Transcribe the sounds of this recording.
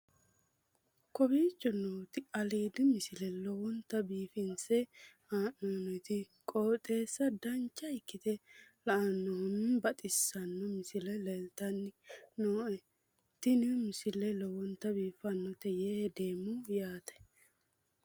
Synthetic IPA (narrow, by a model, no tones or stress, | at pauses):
kɔbiːt͡ʃʼːɔnːɔwt̪ɪʔɐleːd̪ɪmɪsɪlɛlɔwɔnt̪ːɐbiːfɪnsɛhaːʔɔnɔt̪ɪ | kʼoːt̪ʼeːsːɐd̪ɐnt͡ʃːɐɪkːɪt̪ɛlɐʔɐnːɔhʊmbɐt̪ʼɪsːɐnːɔmɪsɪlɛlɛlt̪ɐnːɪnoːɛ | t̪ːɪnɪmɪsɪlɛlɔwɔnt̪ːɐbiːfɐnːɔt̪ɛjehd̪eːmːʊjaːt̪ɐ̥